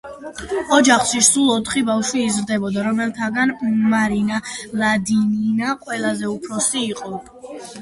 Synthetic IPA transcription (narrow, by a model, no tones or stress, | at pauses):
ɔd͡ʒaχʃisulˠɔt̪ʰχibafʃwiːzɾd̪ɛbɔd̪aɾɔmɛlˠt̪ʰaɡanmaɾinalˠad̪ininaqʼwɛlˠazɛupʰɾɔsiːqʼɔ